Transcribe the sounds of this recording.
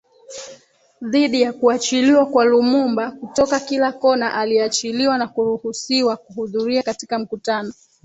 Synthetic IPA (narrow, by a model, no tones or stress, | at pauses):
ðiɗijakuat͡ʃiliwakwalumumbakutɔkakilakɔnaʔaliɛat͡ʃiliwanakuɾuhusiwakuɦuðuɾiakati̥kam̩kutanɔ